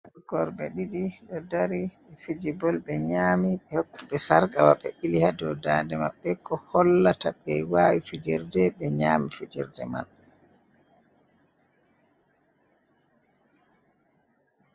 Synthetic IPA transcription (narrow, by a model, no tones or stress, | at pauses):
ɡɔɾbɛɗiɗiɗɔdaɾiɓɛfid͡ʒibɔlɓɛɲaːmiɓɛhokːiɓɛsaɾɡawaɓɛʔilihadɔdaːndɛma̰ɓːɛkɔhɔlːataɓɛwaːwifid͡ʒiɾdɛɓɛɲaːmifid͡ʒḭɾdɛ̰ma̰l